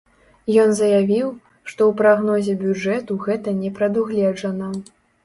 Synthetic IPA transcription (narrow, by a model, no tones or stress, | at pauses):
jɔnzɐjavʲiw | ʂt̪ɔwpɾaɣnɔzʲɛbʲud͡ʐɛt̪uɣɛt̪ɐnʲɛpɾɐd̪uɣlʲɛd͡ʐɐnɐ